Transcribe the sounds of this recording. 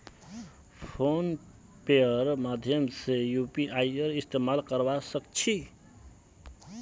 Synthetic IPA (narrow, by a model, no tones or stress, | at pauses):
pʰon | peəɾmad̪ʱjʌmsejupiʔajəɾist̪emalkəɾbasəkt͡ʃʰi